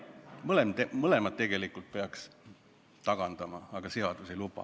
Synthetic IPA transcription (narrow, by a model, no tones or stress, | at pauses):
mɤlemt̪emɤle̞mɑd̪̚t̪e̞ɡ̥e̞likːˑult̪̚pe̞ɑks | t̪ɑɡ̥ɑnd̪̥ɑmɑɑɡ̥ɑseɑd̪̥use̞jlupɑ̰